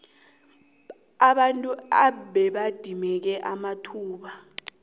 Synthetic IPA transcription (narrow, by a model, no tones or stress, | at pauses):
aɓantʼua̰ɓɛɓad̥ʱimɛk̬ɛʔamatʰuːɓa